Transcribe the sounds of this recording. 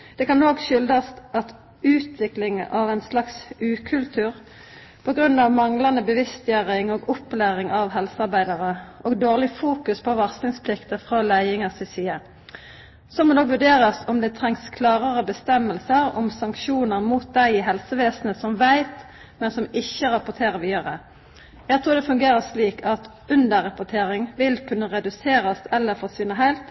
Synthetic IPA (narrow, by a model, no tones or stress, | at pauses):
d̪̥ɛkɑnːoːɡʃʏld̪ɑst̪ʔɑt̪ | ʉːt̪ʰʋɪklɪŋəʔɑʋæɪnslɑksʉːkʰʉlt̪ʰʉːʁ | pʰɔɡʁʉnːɑʋmɑŋlɑnəbəʋɪst̪jœʁɪŋɔːɡʊpːlæːʁɪŋʔɑʋɦɛlsəɑʁbæɪd̪ɑʁəʔoːɡd̪oːʁlɪfuːkʉspʰɔʋɑʁslɪŋspʰlɪkt̪əfʁoːlæɪɪŋɑsɪsiːə | sɔmod̪oːkʋʉɖeːʁɑsɔmd̪ɛːt̪ʰʁɛŋskʰlɑːʁəʁəbəst̪ɛmːəlsəɾɔ̰msɑŋkʃuːnəɾmuːt̪̚d̪æɪɪɦɛlsəʋeːsnəsɔmʋæɪt̪ | mɛnsɔmɪçːəɾɑpʊt̪ʰeːʁəʋɪøʁə | jæɪɡt̪ʰɾuːɾd̪ɛfʉŋɡeːʁəsliːkʰɑt̪ | ʉnd̪əɾɑpʊt̪ʰeːɾɪŋʋɪlkʰʉnːəʁɛd̪ʉseːɾɑsɛlːəɾfɔsiːnəɦæɪlt̪